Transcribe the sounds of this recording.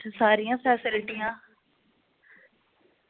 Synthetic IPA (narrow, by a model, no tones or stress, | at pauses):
saːɾijãːpʰɛːsɪlɪʈiːãː